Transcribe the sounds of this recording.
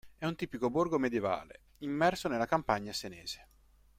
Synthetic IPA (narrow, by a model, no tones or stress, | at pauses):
ɛunt̪iːpikoborɡomed̪jeva̰ːlḛ | imːɛrsonelːakampaɲːasenɛːz̥e̥